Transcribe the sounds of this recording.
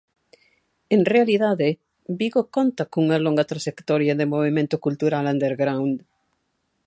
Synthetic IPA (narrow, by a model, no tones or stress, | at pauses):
enrealiðaðe | biɣokont̪akõuŋaloŋɡat̪ɾaʒ̥ekt̪oɾjaðemoβimẽnt̪okult̪uɾalãnd̪eɾɡɾawnd̪